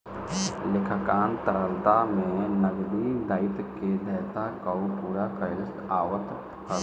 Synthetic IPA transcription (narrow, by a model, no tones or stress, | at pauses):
lɪkʰəkaːnt̪əɾəlt̪amẽnəɡd̪id̪aːɪt̪ked̪ɛːt̪akaupuːɾakəɪst̪aːwət̪ | kə